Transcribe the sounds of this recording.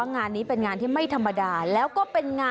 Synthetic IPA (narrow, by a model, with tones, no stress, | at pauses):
a˥˩ŋaː˧nːiː˦˥pe˧nŋaː˧nt̪ʰiː˥˩ma˥˩jt̪ʰa˧mːa˧daː˧lɛː˦˥wkɔː˥˩pe˧nŋaː˧